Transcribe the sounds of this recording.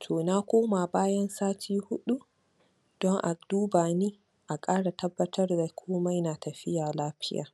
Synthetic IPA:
tʰoː˨na˦kʷoː˦ma˨baː˦jɐ˦nsaː˦tʰiː˦hʊ˦ɗu˦ | d̥ɔ˦ŋʔa˨duː˦baː˨niː˦ | ʔa˨kʼaː˦ɽa˨tɐ˦bːɐ˦tʰɐ˦rda˨kʷʰoː˦ma˦jnaː˨tɐ˨ɸɪ˦jaː˨laː˦ɸɪ˦ja̰ː˨

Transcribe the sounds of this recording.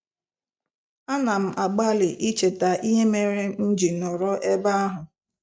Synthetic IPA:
a˦na˨m̩˦ʔa˨ɡ͡ba˦lɪ˨ʔi˦t͡ʃe˨ta˨ʔi˦ɦe˦me˨ɾe˦n̩˦d͡ʒi˨nɔ˨ɾɔ˦ʔe˦ba˦a˦ɦʊ˨

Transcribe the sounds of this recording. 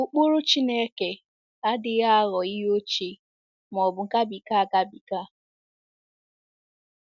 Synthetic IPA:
ʊ˨k͡pu˦ɾʊ˦t͡ʃi˦ne˦ke˨ | a˦dɪ˨ɣa˦ɣɔ˨i˦ɦo˦t͡ʃi˨ | m˨ɔ˨bʊ˨ŋ̩˨ka˦bi˨ka˦a˨ɡa˦bi˨ka˦

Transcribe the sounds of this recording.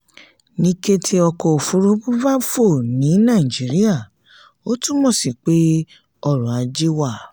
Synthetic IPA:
nĩ˦ke˦tʰi˦ɔ˧kɔ˧˨o˨fu˨˦ɾu˦bu˦va˦fo˦˨nĩ˨˦nã˦˨i˨d͡ʒi˨˦ɾi˦a˦˨ | o˦tũ˦mɔ̃˦˨si˨k͡pe˦ | ɔ˧˨ɾɔ̃˨a˨˧d͡ʒe˦wa˦˨

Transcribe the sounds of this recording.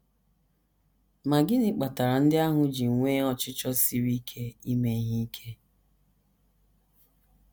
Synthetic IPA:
ma˨ɡɪ˦nɪ˦k͡pa˨ta˨ɾa˨n̩˦dɪ˦a˦ɦʊ˦d͡ʒi˨ŋ̩˨ŋʷeː˦ɔ˨t͡ʃɪ˦t͡ʃɔ˦si˦ɾi˦kʰe˦i˦me˨˦ɦi˦i˦kʰe˦

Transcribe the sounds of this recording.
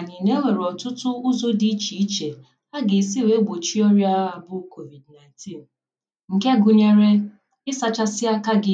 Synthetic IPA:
a˨ni˨ne˦ŋʷe˨ɾɔ˨tʊ˦tʊ˦ʊ˦zo˦di˦t͡ʃi˨˦t͡ʃe˨ | a˦ɡɪ˨si˦˨we˦ɡ͡bo˨t͡ʃi˦ɔ˦ɾja˦a˨bʊ˦ko˨vi˨dna˨ɪ̃˨ntʰi˦n˨ | ŋ̩˨ke˦ɡʊ˨ɲe˨ɾe˦ | ɪ˦sa˨t͡ʃa˦sɪ˦a˦ka˦ɡɪ˦

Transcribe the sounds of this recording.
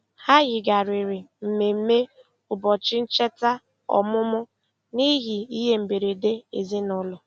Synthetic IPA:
ha˦ɣɪ˨ɡa˨ɾi˨ɾɪ˨m̩˨me˨m̩˦me˦ | ʊ˨bɔ˨t͡ʃɪ˦n̩˦t͡ʃe˦ta˦ | ɔ̰˨mʊ˦mʊ˦ | ni˦ɦi˨i˦ɦe˦m̩˨be˨ɾe˨de˦e˨zi˦nʊ˦lʊ˨

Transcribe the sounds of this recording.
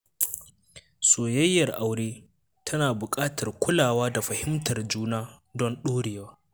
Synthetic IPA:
soː˨jɐ˦jːɐ˨rʔa˨wɽeː˦ | tʰɐ˦naː˨bʊ˨kʼaː˦tʰɐ˨rkʷʊ˦laː˨waː˦da˨ɸɐ˨hɪ˦mtʰɐ˨rd͡ʒuː˦naː˦ | dɔ˦nɗoː˦ɽeː˨waː˦

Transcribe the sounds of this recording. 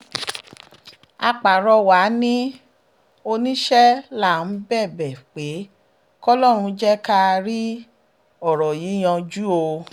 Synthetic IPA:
a˧k͡pa˨ɾɔ˧wa˨˦nĩ˦ | o˧nĩ˦ʃɛ˦la˦˨n̩˨˦bɛ˦˨bɛ˨k͡pe˨˦ | kɔ˦lɔ˦˨ɾ̃ũ˧d͡ʒɛ˦ka˦˧ɾi˦ | ɔ˦˨ɾɔ˨ji˨˦j̃ɔ̃˧d͡ʒu˦o˧

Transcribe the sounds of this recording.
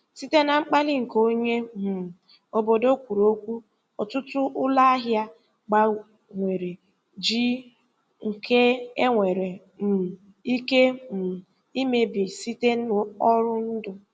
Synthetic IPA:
si˦te˦na˨ŋ͡m̩˦k͡pa˦lɪ˦ŋ̩˨ko˦ɲe˦m̩˨ | o˨bo˨do˦kʷu˨ɾo˦kʷu˦ | ɔ˨tʊ˦tʊ˦ʔʊ˦la˦a˦ɦja˦ | ɡ͡ba˨ | ŋʷe˨ɾe˨ | d͡ʒi˦ | ŋ̩˨kʰe˦e˦ŋʷe˨ɾe˨ | m̩˨ | i˦ke˦m̩˨ | i˦me˨bi˨si˦te˦n̩˦ʊ˦ɔ˦ɾʊ˦n̩˦dʊ˨

